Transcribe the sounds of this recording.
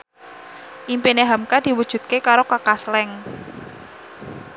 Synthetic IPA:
ʔimpineɦamkad̥i̤wud̥ʒ̥ṳt̪̚kekaɾokəkaslɛŋ

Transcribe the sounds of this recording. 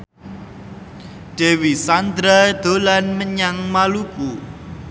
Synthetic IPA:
ɖ̥e̤wisand̪ɾad̪̥olanməɲaŋmaluku

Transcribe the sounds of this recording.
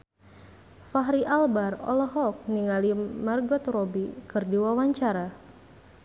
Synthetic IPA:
faɦɾiʔalbarɔ̰lɔɦɔk̚niŋalimarɡɔt̪rɔbikɨrdiwawaɲt͡ʃaɾa

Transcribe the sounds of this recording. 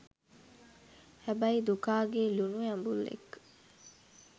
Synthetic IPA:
æbɐid̪ukaːɡeːlunujambulːḛk

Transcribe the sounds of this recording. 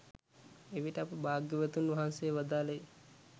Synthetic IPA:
eʋiʈəapəbaːɡjəʋət̪unʋaɦansejːʋad̪aːləj

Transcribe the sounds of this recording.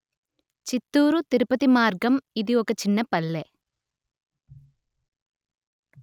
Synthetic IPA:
t͡ʃit̪ːuːɾut̪iɾupɐt̪imaːɾɡɐmid̪iɔkɐt͡ʃinːɐpɐlːe

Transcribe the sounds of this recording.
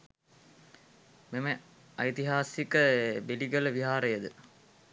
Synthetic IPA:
memə | ɐjt̪iɦaːsikəbeliɡələʋiɦaːɾəjəd̪ə

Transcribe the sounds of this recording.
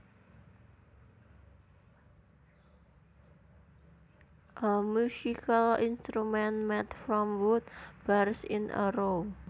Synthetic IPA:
ʔəmusikalinst̪ɾumɛnmɛt̪fɾɔmwʊt̪̚b̥aɾsɪ̰nʔə̰ɾo

